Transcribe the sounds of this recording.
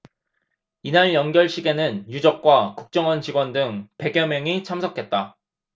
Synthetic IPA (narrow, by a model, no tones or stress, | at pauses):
inaɭjʌnɡjʌɭɕʰiɡe̞nɯnjud͡ʑʌk̚k͈wakuk̚t͡ɕ͈ʌŋʌnt͡ɕiɡwʌndɯŋpe̞ɡjʌmjʌŋit͡ɕʰamsʰʌkʰe̞t̚t͈a